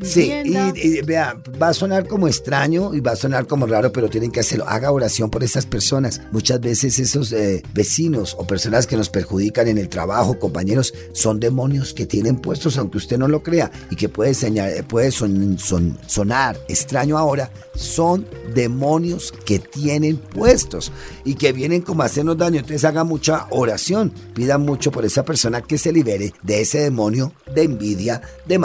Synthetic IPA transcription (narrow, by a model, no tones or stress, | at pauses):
siibea | baso̞naɾko̞moe̞st̪ɾaɲo̞iβaso̞naɾko̞mo̞raɾo̞pe̞ɾo̞t̪je̞ne̞ŋkease̞ɾlo̞ʔa̰ɣao̞ɾasjo̞mpo̞ɾe̞st̪aspe̞ɾso̞nasmut͡ʃazβe̞se̞se̞so̞zebe̞sino̞so̞pe̞ɾso̞naske̞no̞spe̞ɾxuð̞ikane̞ne̞lt̪ɾa̰βaxoko̞mpaɲe̞ɾo̞sː | o̞nd̪e̞mo̞njo̞ske̞t̪je̞ne̞mpwe̞st̪o̞sawŋkeust̪e̞no̞lo̞kɾe̞a | ikepweðeseapwe̞ðes | so̞naɾe̞st̪ɾaɲoao̞ɾa | so̞nd̪e̞mõ̞njo̞ske̞t̪je̞ne̞mpwe̞st̪o̞s | ike̞βje̞ne̞ŋko̞moase̞ɾno̞zd̪aɲont̪sesaɣamut͡ʃaʔoɾasjo̞npiðanmut͡ʃo̞po̞ɾe̞sape̞ɾso̞nake̞seliβe̞ɾeðe̞ese̞ðe̞mo̞njo̞ðe̞ːmbiðja | ðem